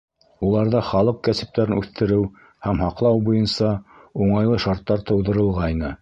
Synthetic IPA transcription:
ulˠɑɾðɑχɑlˠɤq̚kæsɘ̆p̚t̪æɾɘnʉθt̪ɘ̆ɾɘw | hæmhɑqlˠɑwbujɤnsɑuɴɑjlˠɤʃɑɾt̪ːɑɾt̪ɤ̆wðɤ̆ɾɤ̆lˠʁɑjnɤ

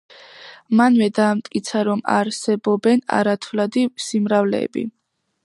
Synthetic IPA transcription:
manvɛd̪aːmt̪ʼkʼit̪sʰaɾɔma̰ɾsɛbɔbɛna̰ɾat̪ʰvlad̪isimɾavlɛ̰ːbḭ

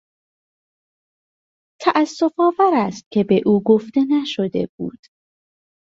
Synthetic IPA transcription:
t̪ʰæʔæsːo̞fɒːvæɾæst̪̚cʲʰe̞be̞ʔuːɡo̞ft̪e̞næʃo̞d̪e̞̰b̥ṵːd̪̥

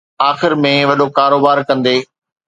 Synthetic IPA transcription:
aːxɪɾmẽʋɐɗokaːɾoːbaːɾkɐ̃nd̪eː

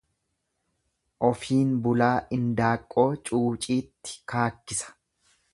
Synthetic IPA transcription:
ʔɔfiːnbʊlaːʔɪnd̪aːkʼːo̞ːt͡ʃʼuːt͡ʃʼiːt̪ːɪ̥kaːkːɪsɐ̥

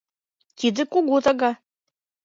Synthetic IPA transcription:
t̪id̪ɘ̆koɣot̪ɑɣɑ

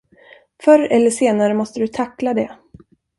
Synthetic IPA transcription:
fœɾɛlːəʂeːnaɾəmɔst̪əd̪ɵt̪ʰakːlad̪ɛ

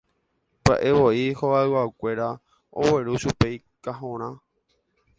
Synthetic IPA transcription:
ba̰ʔe̞βo̞ihoβaðɨwakʷe̞ɾa | o̰we̞ɾuʃupe̞j | kaɦõɾ̃ã

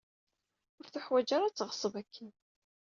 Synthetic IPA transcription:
ʊɾθuħwæd͡ʒaɾæt͡sːʁə̥sˤəvækʰːin

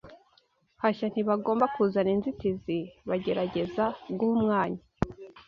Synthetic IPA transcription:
haʃan̥hiβaɡo̞ːmbakuːzaninzitiziβaɟe̞ɾaɟe̞zabɡuumŋaːɲa

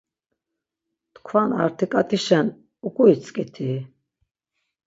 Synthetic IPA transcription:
t̪kʰvana̰ɾt̪ʰikʼat̪ʰiʃɛn | ukʼuit͡sʼkʼit̪ʰi

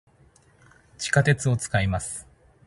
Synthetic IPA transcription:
t͡ɕi̥kat̪e̞t͡sɨo̞t͡sɨ̥kaimasɨ̥

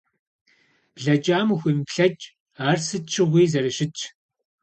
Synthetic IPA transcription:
b̥ɮɐt͡ʃʼaːmuxʷimpɬɐt͡ʃʼ | aːrsɨt͡ʃʰɨʁʷiːzɐɾɨʃɪt͡ʃʼʰ

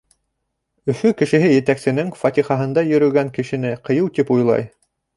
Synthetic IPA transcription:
ɵ̆fɵkɘ̆ʃɘ̆ɦɘjɘ̆t̪æksɘ̆nɘŋfɑt̪ʲiχɑɦɤ̆nd̪ɑjɵ̆ɾɵ̆ɡæŋkɘ̆ʃɘ̆nɘqɤ̆jɤwt̪ipujlˠɑ̰j

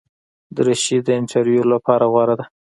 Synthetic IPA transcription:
d̪əɾaʃid̪ːəɪntʰɑɾjulapɑɾaɣwɑɾad̪a

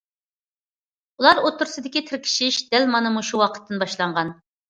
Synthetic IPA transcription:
ulˠɑɾot̪ʰːʊɾsɨd̪ɪkʲit̪ʰɪɾkʲʰi̥ʃiʃd̪̥ælmɑnɨmuʃuwɑqʰə̥t̪ʰːɨnbɑʃlˠɑɴʁɑn

